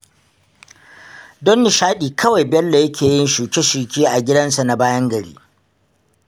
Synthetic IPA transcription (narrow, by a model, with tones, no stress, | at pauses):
dɔ˦nːi˨ʃaː˦ɗiː˨kʰɐ˦wa˨jbɛ˦lːa˨jɐ˦kʲeː˨jɪ˦nʃuː˨kʲe˦ʃuː˨kʲiː˦ʔa˨ɡʲɪ˦dɐ˦nsa˨na˨baː˦jɐ˦ŋɡɐ˨ɽḭː˦